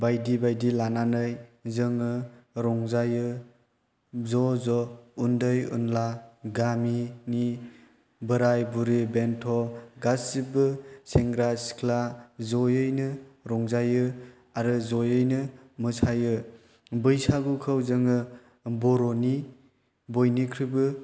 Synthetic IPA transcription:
bajdibajdilananɯjzɯŋɯɾɔŋzajɯ | zɔzɔundɯjṵnlaɡamini | bɯɾajbuɾibentʰɔɡasibɯseŋɡɾasi̥kʰlazɔjɯjnɯɾɔŋzajɯ | aɾɯzɔjɯjnɯmɯsʰajɯ | bɯjsaɡukʰɯwzɯŋɯ | bɔɾɔni | bɔjnikʰɾibɯ

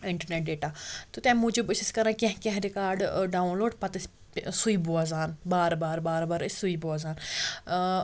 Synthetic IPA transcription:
ɪɳʈəɾneːʈ̚ɖeːʈaːt̪ut̪ɛ̃ːmũːd͡ʒubɪsiskɐɾãkʲẽɦkɛ̃ɦɾɪkaːɾɖɖaːunloːɖpɐt̪ɐs | suiːbuazaːnbaːɾbaːɾbaːɾbaːɾssuiboazaːn

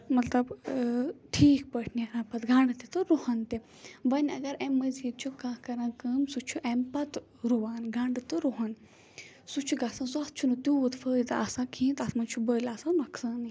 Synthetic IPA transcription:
mɐt̪lɐb | ʈʰiːk̚pəʈʰnʲaɾãːpɐt̪ɡʱãɳɖɨt̪it̪ɨɾuhɐnt̪i | bɐnʲɐɡɐɾemːəzit͡ʃʰukãːkɐɾãːkəːmsut͡ʃʰuʔɛmpɐt̪ | ɾuʋaːnɡãɳɖɨt̪ɨɾuɦɐn | sut͡ʃʰuɡasãnsuɐt̪t͡ʃʰunɨt̪juːt̪fəːjd̪a̰ːsãːkʰĩːnt̪at̪ʰmɐnt͡ʃʰubəːlaːsãmɐksaːni

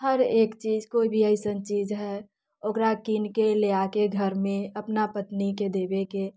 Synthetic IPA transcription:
həɾeːkt͡ʃiːd͡ʒkoːibʱiəɪsənt͡ʃiːd͡ʒɦɛ | okɾakinkeleakeɡʱəɾmẽəpnapət̪niked̪ebeke

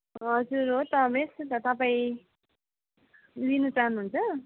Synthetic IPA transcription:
ʌd͡zuɾɦot̪ʌmest̪ʌt̪ʌpaĩ | linʌt͡saɦnuːnt͡sʰʌ

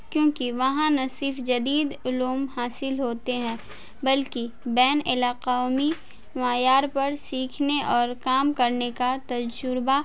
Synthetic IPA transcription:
kjõːkiʋɐɦãnɐsɪɾfd͡ʒɐd̪iːd̪ʊluːmhaːsɪlɦoːt̪eɦɛ̃ː | bɐlki | bɛːnɪlaːqaːmi | maːjaːɾpɐɾsiːkʰneʔɔːɾkaːmkɐɾnekat̪ɐd͡ʒʊɾba

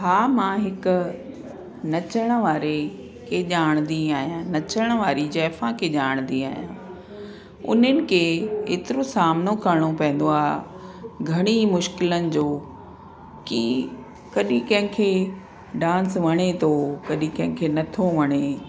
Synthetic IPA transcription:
ɦaːmãɦɪkʊ̆ | nɐt͡ɕəɽ̃əʋaːɾe | kʰeʄaːɽ̃nd̪iaːɦijãnɐt͡ɕəɽ̃əʋaːɾid͡ʑɛːfãkʰeʄaːɽ̃nd̪iaːɦijãː | ʊ̰nənɪ̆kʰeːeːt̪ɪɾosaːmnokɐɾɽ̃opɐ̃ɦɪ̃n̆d̪oaːɦ | ɡʱɐɽ̃imʊʃkɪlənɪ̆d͡ʑoː | ki | kɐɗĩkɐ̃ɦɪ̃kʰeː | ɖãːnsʋɐɽ̃et̪ʰoːkɐɗĩkɐ̃ɦɪ̃kʰeːnɐt̪ʰoʋɐɽ̃e

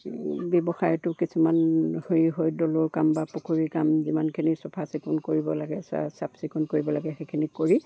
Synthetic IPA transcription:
bɛbɔxajtʊkisumanhojiɦojdɔloɹkambapɔkʰuɹikamzimankʰinisɔpʰasikunkoɹibɔlaɡɛsa̰sapsikunkoɹibɔlaɡɛxekʰinikoɹi

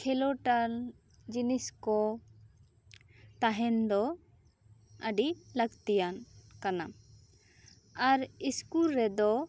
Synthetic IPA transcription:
kʰɛlɔʈaɾ | d͡ʒiniskɔ | t̪aɦɛnd̪ɔ | əɖiləɡt̪ijankana | aɾiskulɾɛd̪ɔ

